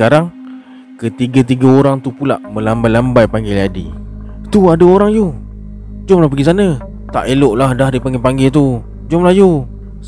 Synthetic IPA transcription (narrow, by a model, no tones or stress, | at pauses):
kaɾaŋ | kət̪iɡət̪̬iɡaoɾaŋt̪upula̰ʔmə̃lambajlambajpaŋɡiladḭt̪uadəoɾaŋju | d͡ʒʊmlahpəɡisanə | t̪a̰ʔeloʔlahdahdipaŋɡɪpaŋɡɪlt̪u | d͡ʒɔmlahju